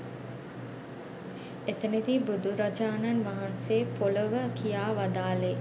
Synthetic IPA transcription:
et̪əned̪ibud̪uɾad͡ʒaːnanʋaɦanseːpoləʋəkʰijaːʋad̪aːle

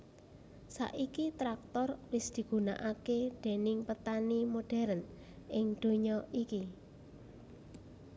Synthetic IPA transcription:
sa̰ʔikit̪ɾak̚t̪ɔrwɪsd̪̥i̤ɡ̥ṳna̰ʔakeɖ̪̥e̤nɪŋpət̪animoɖ̥ɛ̤ɾən | ʔɪŋd̪̥o̤ɲɔʔiki

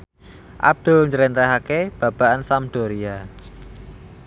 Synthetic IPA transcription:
ʔa̰b̚d̪̥o̤lɲd͡ʒəɾint̪ɛɦakeb̥ä̤b̥a̤ʔansamd̪̥o̤ɾia

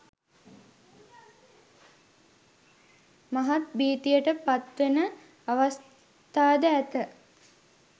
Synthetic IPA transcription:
maɦat̪biːt̪ijəʈəpat̪ʋenə | aʋas | t̪aːd̪əæt̪ə

